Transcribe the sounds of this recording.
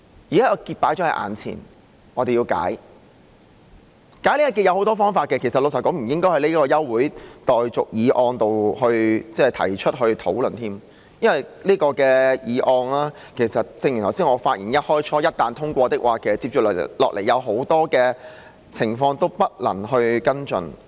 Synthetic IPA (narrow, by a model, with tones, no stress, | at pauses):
jiː˨˩kaː˥ɔː˧kiː˧t̚paː˨˥jt͡sœː˨˥ŋhɐ˨˩ʔa̰ː˨˩nt͡sʰḭː˨˩n | ŋɔː˨˧t̪e˨jiː˧wka̰ː˨˥j | kaː˨˥jle˥ja˨˧ki˧t̚jɐ˧who˨˧wt̪ɔː˥fɔː˥ŋfaː˧t̚kɛː˧kʰe˨˩sɐ˨t̚lo˨˧sɐ˨˩kɔː˨˥ŋm̩˨˩jɪ˥ŋkɔː˥jhɐ˨jli˥kɔː˧jɐ˥wːuː˨˥jt̪ɔː˨jt͡sʊ˨k̚jiː˨˧ʔɔː˧ŋt̪o˨whɵ˧ɥt͡sɛː˥˩t̪ʰɐ̰˨˩jt͡ʃʰɵ˥t̚ɦɵ˧ɥt̪ʰo˨˥wlɵ˨˩nt̪ʰiː˥m | jɐ˥nwɐ˨jliː˥kɔː˧kɛː˧jiː˨˧ʔɔː˧ŋlaː˥ | kʰe˨˩jsɐ˨t̚t͡sɪ˧ŋji˨˩nʰɐ˨˩wsiː˥ŋɔː˨˧faː˧t̚jiː˨˩njɐ˥t̚hɔː˥jt͡ʃʰɔː˥jɐ˥t̚t̪aː˨˧nt̪ʰʊ˥ŋkʷɔː˧t̪ɪ˥k̚waː˨kɛː˧t͡siː˧p̚t͡ʃyː˨llɔ̰ː˨k̚lʔe˨˩jɐ˨˧wɦo˨˥wt̪ɔː˥kɛː˧ | t͡sʰɪ˨˩ŋfɔː˧ŋt̪o˥wpɐ˥t̚lɐ̰˨˩ŋɦɵ˧ɥkɐ˥nt͡ʃɵ̰˨˧n